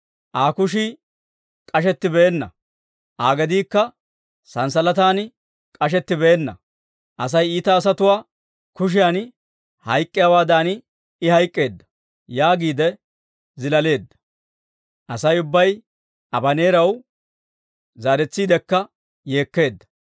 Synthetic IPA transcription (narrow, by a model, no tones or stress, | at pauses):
ʔaːkʊʃi | kʼɐʃ̬ɛt̪ːɪbeːnːɐ̰ | ʔaːɡɛd̪iːkːɐ | sɐnsɐlɐt̪aːn | kʼɐʃɛt̪ːɪbeːnːɐ̰ | ʔɐs̬ɐjiːt̪ɐːs̬ɐt̪ʊwaː | kʊʃ̬ɪjaːn | hɐjkʼːɪjawaːd̪aːn | ɪhɐjkʼːe̞ːd̪ːɐ̥ | jaːɡiːd̪ɛ | zɪlɐle̞ːd̪ːɐ̥ | ʔɐsɐjʊbːɐj | ʔɐbɐne̞ːɾɐw | zaːɾɛt͡sːiːd̪ɛkːɐ | je̞ːkːe̞ːd̪ːɐ̥